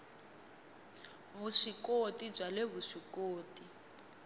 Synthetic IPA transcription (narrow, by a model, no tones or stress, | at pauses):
βuʂikotʼib͡ʐwaleβuʂikʼoːtʼi